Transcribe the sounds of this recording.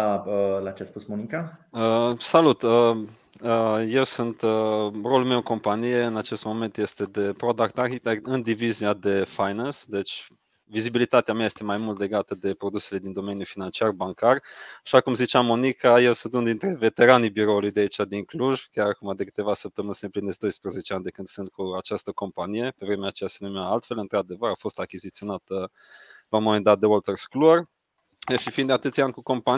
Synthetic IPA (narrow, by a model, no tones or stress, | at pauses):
aəlat͡ʃeaspusmonikaəsalut̪ə | əje̞wsunt̪əro̞lulmewɨŋko̞mpanije̞ɨnat͡ʃe̞st̪mo̞me̞nt̪je̞st̪e̞d̪e̞pɾod̪akt̪arkit̪ekd̪ɨnd̪iviziad̪e̞fajnansd̪e̞t͡ʃʲ | vizibilit̪at̪eameajest̪e̞majmult̪le̞ɡat̪əd̪e̞pɾo̞d̪use̞le̞d̪ind̪o̞me̞njufinant͡ʃiarbaŋkaraʃakumzit͡ʃeamːo̞nikʰajewsunt̪und̪int̪ɾe̞ve̞t̪e̞ɾanibiɾo̞ulujd̪eait͡ʃʲad̪iŋkluʒkʲjaɾakumad̪ekɨ̥t̪e̞vasəp̚t̪əmɨnsɨnplinesd̪o̞jspɾeze̞t͡ʃeanʲd̪e̞kɨnd̪sɨnt̪̚kʰuat͡ʃast̪əko̞mpanije̞pe̞vɾe̞meat͡ʃejasenumeaalt̪fe̞lɨnt̪ɾad̪e̞vəɾafo̞st̪akʲizit̪sio̞nat̪ə | lawmo̞mend̪at̪̚d̪eolt̪erskluər | ʃifind̪eat̪ɨt̪sʲanʲkuko̞mpa